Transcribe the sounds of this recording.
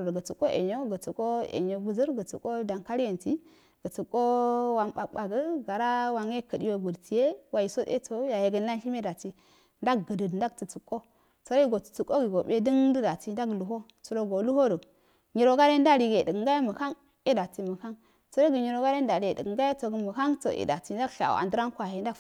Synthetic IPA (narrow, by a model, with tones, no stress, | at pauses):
ɡə˨t͡su˨kʼo˦ʔḛ˨ɲo˦ɡə˨t͡su˨ko˦ḛ˨ɲo˨bu˨zə˦ɾɡə˨t͡sṵ˨ko˦da˨ŋka˦ɾje˨nti˦ | ɡ̥ə˨t͡su˨kʼːo˦wa˨mɓa˨ɓa˨ɡə˦ɡa˨ɾa˦wa˨ŋe˦kə˨di˦wo˦bu˨ɾtʰi˨je˦wa˨i˨so˦de˦to˦ja˨je˨ɡə˦nla˦nʃi˦me˦da˨ti˦ | nda˦ɡɡə˨də˨dnda˦ɡtu˨t͡su˨kʼːo˦ | t͡so˨ɾo˦i˦ɡo˨tu̥˨t͡su˨kːo˦ɡi˨ɡo˨ɓe˦də˦ŋdə˦da˨ti˨n˦da˦ɡlu˨ɦo˦ | t͡su˨ɾo˨ɡo˨lu˦ho˦ɾu˨ | ɲi˨ɾo˨ɡa˦ɾe˦nda˦ɾi˨ɡe˨də˨ɡŋɡa˦ja˦mə˨ka˦n | i˦da˨ti˨mə˨ka˦ŋ | to˨ɾo˦ɡə˨ɲi˨ɾo˨ɡa˦ɾe˦n˦da˨ɾi˨də̰˨ɡɡa˦ja˦to˨ɡə˨mə˨ka˦ŋto̰˨ʔḭ˨da̰˨ti˨n˦da˦ɡɬa̰˨a̰˨ndə˦ɾa˦ŋkʷa˨he˨nda˦